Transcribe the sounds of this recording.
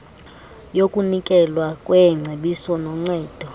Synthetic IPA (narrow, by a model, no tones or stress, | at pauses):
jokʼunikʼɛlwakʼwɛŋ͡ǀʱeɓisɔnɔŋ͡ǀɛːd̥ʱɔ